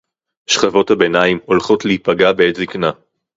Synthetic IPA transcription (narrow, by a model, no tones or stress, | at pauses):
ʃχavo̞thabe̞naimo̞lχo̞tlehipaɡabeetzikna